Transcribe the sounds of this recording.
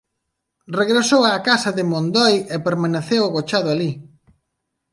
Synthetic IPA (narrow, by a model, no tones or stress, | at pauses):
reɣɾesowaːkasɐðɪmond̪ɔjɛpeɾmaneθewʊɣot͡ʃaðʊali